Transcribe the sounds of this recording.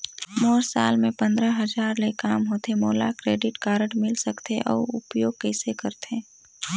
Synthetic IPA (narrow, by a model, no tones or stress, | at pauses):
moːɾsa̰ːlmẽpə̃nd̪ɾəɦɐd͡ʒaːɾlekaːmɦoːt̪emoːla̰kɾeːɖɪʈkaːɾəʈmɪlsəkt̪eʔɔ̰ːʊ̰pjoːɡ̚kɛːsekəɾt̪ẽː